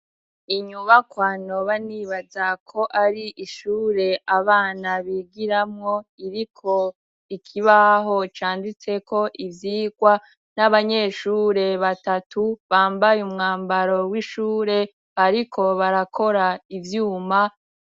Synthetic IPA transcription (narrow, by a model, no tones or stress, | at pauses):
iɲuβakwano̞βaniːβazakʰo̞ʔaɾiʔiʃuːɾe̞aβaːnaβiɡiɾamŋo̞iɾikʰo̞ | ikʰiβaɦo̞t͡ʃaːndit͡se̞kʰo̞ʔivjiːɡwa | naβaɲe̞ʃuːɾe̞βatatuβaːmbajumŋaːmbaɾo̞wiʃuːɾe̞ | βaɾikʰo̞βaɾakʰo̞ɾaivjuːma